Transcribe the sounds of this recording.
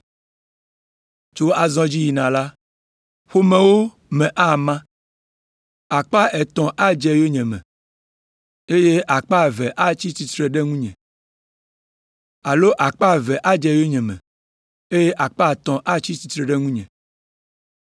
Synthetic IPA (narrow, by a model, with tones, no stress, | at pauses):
t͡ʃo˦a˨zɔ̃˦d͡ʑi˦ji˨nã˨la˦ | ɸo˦mɛ̃˨wo˦ | mɛ̃˨ʔa˦˨mã˦ | a˨k͡pa˦ʔɛ˨t̪ɔ̃˨ʔa˦d͡ʒɛ˨jo˦ɲɛ̃˨mɛ̃˨ | e˦je˦ʔa˨k͡pa˦˨vɛ˨ʔa˦t͡ɕi˦t̪i˨t̪ɾɛ˨ɖɛ˦ŋũ˦ɲɛ̃˨ | a˨lo˦ʔa˨k͡pa˦˨vɛ˨ʔa˦d͡ʒɛ˨jo˦ɲɛ̃˨mɛ̰̃˨ | e˦je˦ʔa˨k͡pa˦˨t̪ɔ̃˨ʔa˦t͡ɕi˦t̪i˦t̪ɾɛ˨ɖɛ˦ŋũ˦ɲɛ̰̃˨